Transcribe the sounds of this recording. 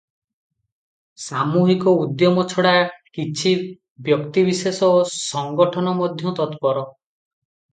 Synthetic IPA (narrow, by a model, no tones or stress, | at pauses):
samuɦikɔud̪jɔmɔt͡ʃʰɔɽakit͡ʃʰi | bjɔkt̪ibisesɔsɔŋɡɔʈʰɔnɔmɔd̪ʱjɔt̪ɔt̪pɔɾɔ